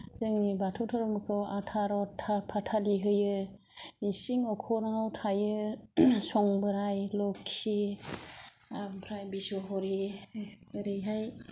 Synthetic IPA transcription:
zɯŋnibatʰɔwtʰɔɾɔmɯkʰɯwatʰaɾɔtʰapʰatʰaliɦɯjɯ | isiŋɔkʰɔnhawtʰajɯ | sɔŋbɯɾajlɔkʰːi | apʰɾajbisɔɦɔɾi | ɯɾɯɦaj

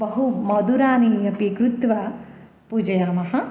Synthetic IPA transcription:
bɐɦumɐd̪uɾaːnijɐpikɾut̪ʋɐ | pud͡ʒɐjaːmɐɦɐ̆

